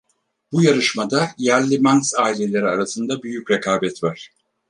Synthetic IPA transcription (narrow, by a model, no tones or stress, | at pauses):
bujaɾɯʃmad̪ajæɾlʲimanksaːilʲe̞lʲe̞ɾiaɾasɯnd̪abyjycɾekʰaːbɛt̪vaɾ̥